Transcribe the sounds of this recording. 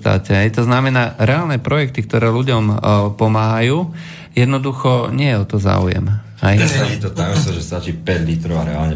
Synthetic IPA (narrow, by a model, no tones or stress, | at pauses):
t̪a̰ːcɛɦɛjt̪ɔznamɛnaːɾɛaːlnɛpɾɔjɛk̚t̪ikt̪ɔɾɛːluɟɔmpɔmaːɦajuː | jɛd̪nɔd̪uxɔɲɪɛjɛɔt̪ɔza̰ːṵjɛ̰m | ajɛat͡ʃit̪ɔt̪aɡɔst̪ɔʒɛst̪at͡ʃiːpɛɟlit̪ɾɔʊaɾɛa̰lɲɛ